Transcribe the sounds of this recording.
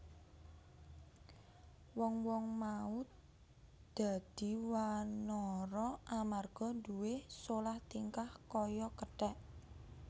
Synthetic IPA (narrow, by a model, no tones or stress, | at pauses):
wɔŋwɔŋmaʊt̪̚ | d̪̥a̤d̪̥i̤wanɔɾɔʔamarɡ̥ɔ̤d̪uwesolaht̪iŋkahkɔjɔkəʈɛʔ